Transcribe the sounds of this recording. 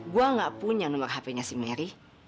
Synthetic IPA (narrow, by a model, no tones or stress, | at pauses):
ɡuaŋaʔpuɲanumarɦapɛɲasimɛɾi